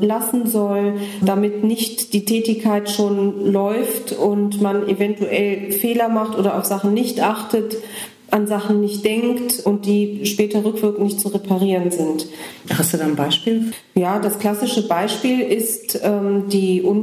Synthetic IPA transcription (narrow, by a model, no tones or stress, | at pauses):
lasn̩zɔldamɪtnɪçtd̥iːtʰɛːtɪçkʰaɪtʃoːnlɔʏftʊntmanevɛntuʔɛlfeːlɐmaχtʔoːdɐaʊfz̥aχn̩nɪçtʔaχtət | ʔanzaχn̩nɪçtd̥ɛŋktʊnt̚d̥iːʃpɛːtɐʁʏkv̥ɪɐkŋ̩ɪçt͡suʁepʰaʁ̞iːʁənzɪnthasd̥udaːnbaɪʃpiːl | jaːdaskl̥asɪʃəbaɪʃpiːlɪstʔɛːmdiːʔʊn